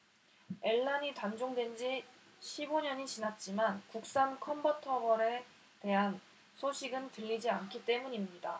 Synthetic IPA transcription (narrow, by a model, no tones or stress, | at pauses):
e̞ɭːaɲitand͡ʑoŋdwend͡ʑi | ɕʰiboɲʌɲit͡ɕinat̚t͡ɕ͈imankuk̚s͈ankʰʌmbʌtʰʌbʌɾe̞ | te̞ɦan | sʰoɕʰiɡɯntɯʎːid͡ʑiankʰit͈e̞muɲimɲida